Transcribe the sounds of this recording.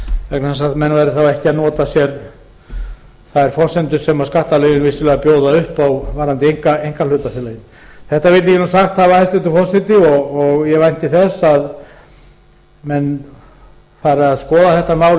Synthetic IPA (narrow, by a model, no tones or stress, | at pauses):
vɛknaθɛnsaðmɛnvajɾɪθawɛhcɪaðnɔːt̪asjɛɾ | θaðɛɾ̥fɔr̥sɛnt̪ʏsɛmaðskaht̪alɛːjɪnvɪsʏlɛːɣapjoːwðaʏhpawvaɾant̪ɪejŋkaejŋkalʏːt̪aθɪlajɪn | θɛht̪avɪɾt̪ɪcɛnusaxt̪havahajst̪ɛnt̪ʏfɔr̥sɛnt̪ɪɔɣɔɣjɛvajnt̪ɪθɛsað | mɛn | faːɾɪaðskɔːðaθɛht̪amaːwl